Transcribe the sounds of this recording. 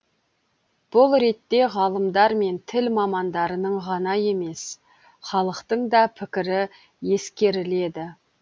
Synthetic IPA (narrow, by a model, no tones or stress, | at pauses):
b̥ʊlˠɾe̞t̪ːe̞ʁɑlˠəmd̪ɑɾme̞nt̪ʰɪlmɑmɑnd̪ɑɾənəɴʁɑnɑje̞me̞s | χɑlˠəqt̪əɴd̪ɑpʰɪkʲɪɾɪ | je̞skʲe̞ɾɪle̞d̪ɪ